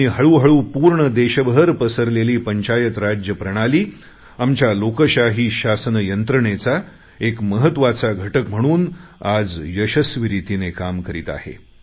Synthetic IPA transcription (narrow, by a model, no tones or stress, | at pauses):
iɦəɭuːɦəɭuːpuːɾɳəd̪eɕəbɦəɾpəsəɾleliːpəɲt͡ɕajət̪ɾad͡ʑjəpɾəɽ̃aliː | amt͡ɕalokəɕaɦiːɕasənəjənt̪ɾəɳet͡sa | ekməɦət̪ːʋat͡saɡʱəʈəkm̤əɽ̃uːnad͡zjəɕəsʋiɾit̪inekamkəɾiːt̪a̰hḛ